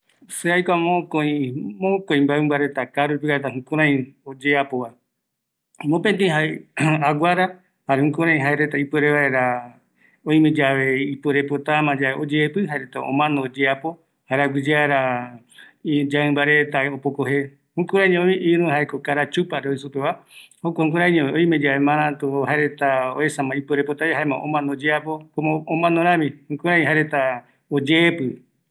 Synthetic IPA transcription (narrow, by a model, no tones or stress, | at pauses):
seajkʷamõkõĩmõkõĩmbaembaɾe̞t̪akaɾupikaɾet̪aɦũkũɾ̃ãj̃od͡ʒeapoβa | mõpent̪̬ĩɦaeaɡaɾa | haɾehũkuɾ̃ãj̃ɦaeɾe̞t̪aipueɾeβaeɾa | õj̃mẽd͡ʒaβe̞ipweɾepot̪amãd͡ʒaβeʔod͡ʒeːpɨɦaeɾet̪aõ̰mãnoːd͡ʒeapo̞ | haeɾaɡʷid͡ʒeaɾa | id͡ʒaɨ̃mbaɾet̪aopokoɦe | hũkuɾãĩɲẽõmĩʔiɾũɦaekokaɾat͡ʃupaɾeois̬upeβaokõkuɾãĩɲẽõj̃mẽd͡ʒaβemãɾ̃ãt̪oɦaeɾet̪aoesãmãipweɾepot̪aeɦaemãʔõ̰mãnod͡ʒeapokomõomãnoɾ̃ãmĩhũkuɾaj̃ɦaɾet̪a | od͡ʒeːpɨ